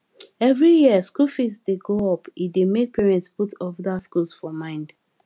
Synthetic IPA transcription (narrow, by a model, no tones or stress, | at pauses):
ɛvɹijiəskulfisdeɡoɔpidemek̚pʰɛɹɛ̃ntsputɔvdaskulsfɔmãɪ̃nd